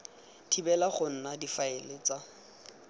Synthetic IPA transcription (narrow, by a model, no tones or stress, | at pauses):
tʰibɛlaχʊn̩nadifaelet͡sa